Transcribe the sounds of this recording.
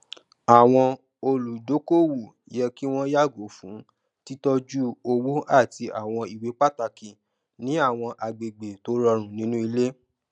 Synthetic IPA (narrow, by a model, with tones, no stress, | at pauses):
a˨w̃ɔ̃˧ | o˧lu˨do˨˦ko˦wu˦˨˦jɛ˧ki˦w̃ɔ̃˦ja˦˨ɡo˨˦fũ˨˦ | ti˦tɔ˧d͡ʒu˦o˧wo˦ʔa˦˨ti˧ʔa˨w̃ɔ̃˧i˨we˨˦k͡pa˦˨ta˧ki˨ | nĩ˨˦a˦˨w̃ɔ̃˧ʔa˨ɡ͡be˨ɡ͡be˨to˨˦ɾɔ˧ɾ̃ũ˨nĩ˨˦nũ˦i˧le˦